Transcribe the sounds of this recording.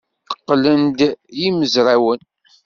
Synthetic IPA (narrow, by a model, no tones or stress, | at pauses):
ə̥qːlənd̪jiməzɾawən